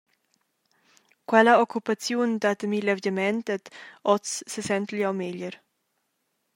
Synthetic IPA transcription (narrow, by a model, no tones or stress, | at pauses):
kwɛlaokːupat͡sjund̪at̪milevəmɛnt̪ɛt̪ɔt͡ssəsɛnt̪liawmeʎəɾ